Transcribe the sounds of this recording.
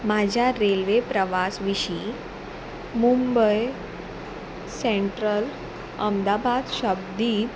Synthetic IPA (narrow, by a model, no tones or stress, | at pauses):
mad͡ʑʱjaɾelʋepɾəʋasʋiɕi | mumbəj | seɳʈɾəl | əmd̪abad̪ɕəb̚d̪iː